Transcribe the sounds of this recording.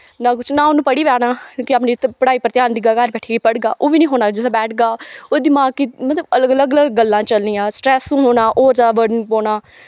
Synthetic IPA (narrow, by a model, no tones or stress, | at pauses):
naːkʊt͡ʃʰnãːoːnũːpəɽiːʋaːnaːkõːkɪaːpniːpəɽaːiːpəɾət̪ɪjaːnd̪iːɡaːkaɾbɛːʈʰiːɡeːpəɽɡaːʔoːʋiːnĩːɦoːnaːd͡ʒɪsaːbɛːʈʰɡaːoːd̪iːmãːkɪmət̪ləbələɡələɡələɡɡəlːãːt͡ʃəlnijãːsʈɾɛːsũːɦoːnaːʔoːɾd͡ʒaːʋəɖənpoːɳaː